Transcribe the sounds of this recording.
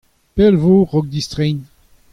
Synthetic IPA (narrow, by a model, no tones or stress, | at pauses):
pɛlvoʁɔɡ̚d̪ist̪ʁɛn